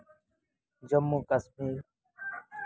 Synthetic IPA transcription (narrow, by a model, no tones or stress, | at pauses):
d͡ʒəmːũːkəsmiːɾ